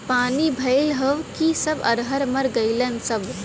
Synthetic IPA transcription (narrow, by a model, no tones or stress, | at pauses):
paːnibʱɐɪlɦəʋkisəbɐ̰ɾɦəɾməɾɡəɪlənsəb